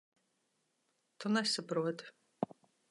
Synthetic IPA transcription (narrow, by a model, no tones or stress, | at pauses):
t̪ʰunɛsɐpɾuɔt̪ʰ